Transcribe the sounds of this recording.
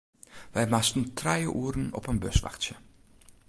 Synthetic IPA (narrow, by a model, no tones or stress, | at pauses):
ʋɛjmastən̩tʰrɛjəʔuːɾənɔ̰pənbøsʋa̰xtsjə